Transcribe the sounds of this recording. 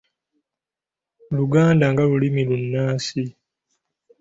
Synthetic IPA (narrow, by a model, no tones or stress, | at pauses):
luɡaːndaŋɡalulimilunːaːsi